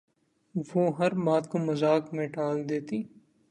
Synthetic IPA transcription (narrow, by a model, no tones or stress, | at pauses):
ʋoːɦɐɾbaːd̪komɐzaːkmẽɖaːld̪eːt̪iː